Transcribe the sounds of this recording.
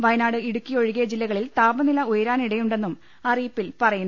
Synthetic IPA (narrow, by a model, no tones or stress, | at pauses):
ʋɐjnaːɽɨiɽukʲːio̞ɻiɣeɐd͡ʑilːɐɣɐɭilt̪aːbɐnilɐujɐɾaːniɽejuɳɖe̞nːum | ɐriːpːilpɐrɐjun